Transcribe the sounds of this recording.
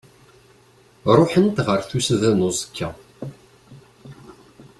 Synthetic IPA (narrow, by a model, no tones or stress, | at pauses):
ɾˤoħənt̪ʁəɾθusðænozˤə̥kʰːæ